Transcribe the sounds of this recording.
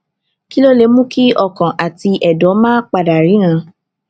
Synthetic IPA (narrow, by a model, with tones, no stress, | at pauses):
ki˦lo˦le˨˦mũ˦ki˦ɔ˦˧˨kã˨ʔa˨ti˧ʔɛ˨dɔ˨˦mãː˦k͡pa˧˨da˨ɾi˨˦ñã˧